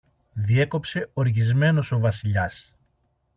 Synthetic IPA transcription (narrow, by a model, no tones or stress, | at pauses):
ðie̞ko̞pse̞o̞ɾʝizme̞no̞so̞vɐsiʎɐs